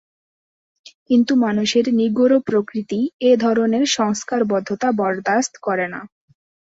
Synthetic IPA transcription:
kint̪umanuʃeɾniɡoɾopɾokɾit̪ied̪ʱɔɾoneɾʃɔŋskaɾbɔd̪ʱːot̪abɔɾd̪ast̪kɔɾena̰

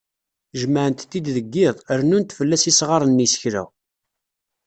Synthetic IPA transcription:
ʒməʕənt̪ːid̪ðəɡːɪðˤəɾnunt̪fəlːæsisʁɑɾˤənːisə̥çɾæ̰

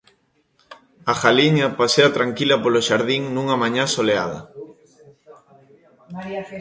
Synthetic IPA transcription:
axaliɲɐpaseɐt̪ɾaŋkilɐpoloʃaɾðiŋnuŋamaɲãsoleaðɐ̰

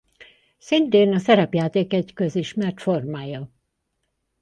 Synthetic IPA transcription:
sint̪eːnɒsɛɾɛpjaːt̪eːkɛɟkøziʃmɛrt̪formaːjɒ

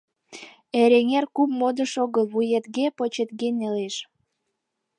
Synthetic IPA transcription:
eɾeŋerkupmod̪əʃoɣəlβujet̪ɡepot͡ɕet̪ɡeneleʃ

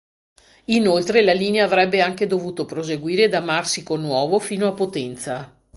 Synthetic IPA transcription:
inolt̪ɾelaliːneaːvɾɛbːeaŋked̪ovuːt̪opɾozeɡwiːɾead̪amarsikonwɔːvofiːnoapːot̪ɛnt̪sa

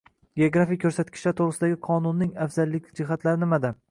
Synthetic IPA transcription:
ɡʲeoɡɾafijkʰɵɾsat̪̚kʲɪ̥ʃlaɾt̪ʰoɾɨsɪd̪aɡʲɪqʰɒnʊnːɪŋafz̥alːɪkʲd͡ʒɪɦat̪laɾɪnɪmad̪a

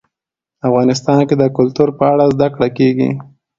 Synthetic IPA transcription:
afɣɑnɪs̬t̪ɑnked̪əkʊlt̪uɾpəaɽazd̪akɽakeɡḭ

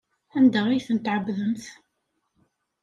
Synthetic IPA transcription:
ænd̪aʁijθənt̪ʕəbðəmθ

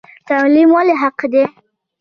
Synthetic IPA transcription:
t̪alimwaleɦaqd̪e

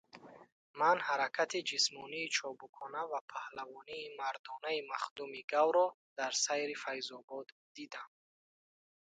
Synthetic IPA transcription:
manhaɾakʰat̪ʰid͡ʒismɔniːt͡ʃʰɔbukʰɔnavapʰahlavɔniːmaɾd̪ɔnaimaχd̪umiɡawɾɔ | d̪̥aɾsajɾifajzɔbɔd̪ːid̪am

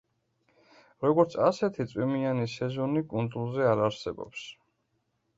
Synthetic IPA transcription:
ɾɔɡɔɾt̪sʰasɛt̪ʰit̪sʼwimianisɛzɔnikʼund̪zulˠzɛaɾaɾsɛbɔ̰ps

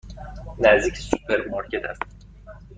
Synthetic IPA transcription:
næzd̪iːcʰsupʰeɾmɑɾcʰet̪ʰæst̪

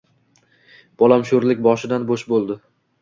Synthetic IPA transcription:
b̥ɒlˠamʃʊɾlɪkʲbɒʃɪd̪anboʃbolˠd̪ɪ

